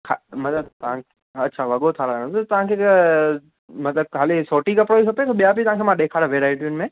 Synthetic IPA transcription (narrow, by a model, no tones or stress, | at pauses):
kʰamɐt̪ləb̚t̪ɐʋ̤ãkʰe | ɐtːɕʰaʋɐɠot̪ʰaɾɐəɽ̃õt̪ot̪ɐʋɦãkʰe | mɐt̪ləb̚kʰaːlisoːʈikɐpɾoikʰɐpet̪ʰoɓijap̬it̪ɐʋãŋkʰemãɗeːkʰaːɽʋeːɾaːɪʈijʊnmẽ